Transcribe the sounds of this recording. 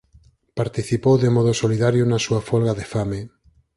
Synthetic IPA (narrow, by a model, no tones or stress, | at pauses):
paɾt̪iθipowðemɔð̞osoliðaɾjonasuafolɣaðefame